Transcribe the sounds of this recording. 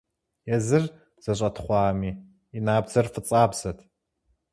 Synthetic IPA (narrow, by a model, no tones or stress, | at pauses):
jɛzɨr | z̥ɐɕ̬ʼɐtʰχʷɑːmiː | inaːbz̥ɐrfɨt͡sʼaːbz̥ɐtʰ